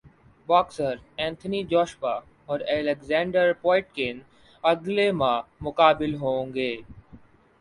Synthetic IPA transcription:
bɔːksəɾɛ̃ːnt̪ʰənid͡ʒɔːʃʋa | ɔːɾɛːleɡzɛ̃ːɳɖəɾpɔːɪʈ̚kɪn | ɐɡlemãmʊkaːbɪlɦõːŋɡeː

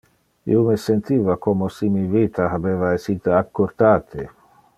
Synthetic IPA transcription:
ḭomesent̪iːvakomosimivit̪aɦabeːvaesit̪eakːoɾt̪aːt̪ʰe

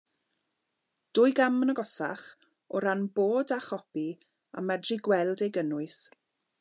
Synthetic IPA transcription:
d̥ʊjɡamənəɡɔsa̰χ | ɔɾanboːdaχɔpi | a̰mːɛdriɡwɛlˠdejɡənʊɨs

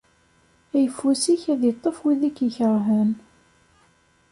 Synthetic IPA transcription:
æjəfːusiçæðit̪ˤːəfwiðækːəçəɾɦən

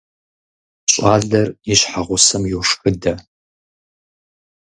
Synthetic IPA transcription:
ɕʼaːɮɐriɕħaʁʷʊsɐmjuwʂxɨdɐ

